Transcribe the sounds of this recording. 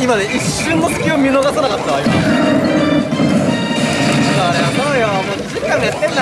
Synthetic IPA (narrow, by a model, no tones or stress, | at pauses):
imad̪eʔiɕːɨ̃nːosɨ̥kʲiomʲinoɡasanakat̪ːajo | t̪ak̪aːɾeamãaamoːd͡ʑikãnd̪et̪ːẽnː